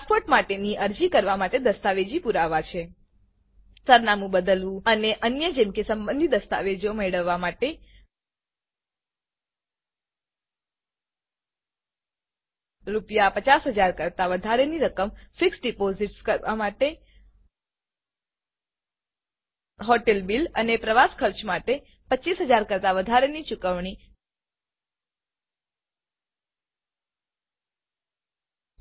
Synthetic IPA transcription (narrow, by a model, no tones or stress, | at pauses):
spoɾʈmaʈeniʔəɾd͡ʒikəɾʋamaʈed̪əst̪aʋed͡ʒipuɾaʋat͡ʃʰe | səɾnamũbəd̪əlʋũəneʔənjəd͡ʒemkesəmbə̃nd̪ʱid̪əst̪a̰ʋed͡ʒomeɭəʋːamaʈe | ɾupjapət͡ʃasɦəd͡ʒaɾkəɾt̪aʋəd̪ʱaɾeniɾəkəmfiksɖipoziʈskəɾa̰maʈe | ɦoʈelbilə̰nepɾəʋaskʰəɾt͡ʃmaʈe | pətːt͡ʃːiːsɦəd͡ʒaɾkəɾt̪aʋəd̪ʱaɾenit͡ʃukəʋɳ̃i